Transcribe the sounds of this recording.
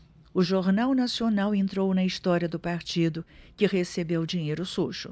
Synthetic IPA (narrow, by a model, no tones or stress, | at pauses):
ʊʒoɾnawnasionawẽnt̪ɾownɐist̪ɔɾiɐd̪ʊpaɾt͡ʃid̪ʊkɪʁesebewd͡ʒĩɲejɾʊsuʃʊ̰